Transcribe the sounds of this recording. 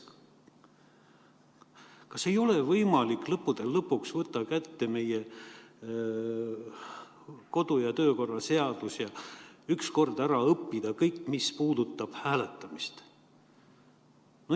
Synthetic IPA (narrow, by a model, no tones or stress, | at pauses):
kɑse̞jo̞le̞vɤjmɑlikˑlɤpːud̪̥e̞lːɤpːˑuksvɤt̪ˑːɑkæt̪ːe̞me̞je | ko̞d̪̥ujɑt̪ø̞ːko̞rːɑse̞ɑd̪̥usjɑyksko̞rd̪̥æɾɑɤpːid̪̥ɑkɤjkːmispuːd̪̥ut̪ˑːɑb̥hæːle̞t̪ːˑɑmist̪ | no